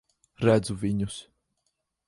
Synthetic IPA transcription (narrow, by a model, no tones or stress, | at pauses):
ɾæd̪zuvʲiɲus